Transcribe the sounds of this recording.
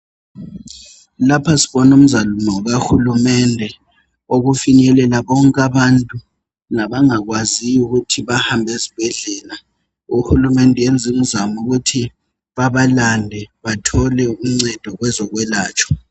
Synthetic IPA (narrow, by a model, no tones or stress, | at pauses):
lapʰasi̥ɓɔnum̩zalumɔɔɣahulumɛndʱɛ | oɣufiɲɛlɛlaɓɔŋkʼaɓantʼu | naɓaŋak̬waziukutʰiβahambʱezib̥ʱɛɮɛːla | uhulumɛndʱɛjend͡zʱim̩zamuɣ̬utʰi | ɓaβalandʱɛβatʰɔlɛum̩ŋ͡ǀɛd̥ʱɔɣwɛzɔk̬wɛlaːt͡ʃʰɔ̥